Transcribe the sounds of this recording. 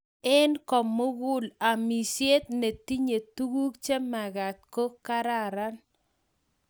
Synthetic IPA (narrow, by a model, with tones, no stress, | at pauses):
ɛ˦nkɔ˨mːʊ˦ɡʊ˦la˨mi˨sje˦t̪̚ne˨ti˦ɲe˨t̪u˦ɡu˦kt͡ʃe˦ma˨ɣa˨t̪̚ko˦ka˦ɾa˦˨ɾa˦n